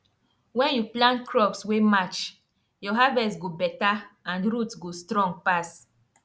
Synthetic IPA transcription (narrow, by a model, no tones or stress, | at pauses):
wɛ̃njuplãntkʰɹɔpswemat͡ʃ | jɔɦavɛsɡobɛtaãnɾutsɡostɾɔ̃ŋɡ̚pas